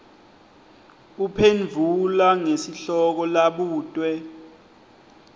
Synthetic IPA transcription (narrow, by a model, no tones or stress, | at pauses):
upʰenvʱulaŋesiɬɔk̬ɔlaɓuːtʼwɛ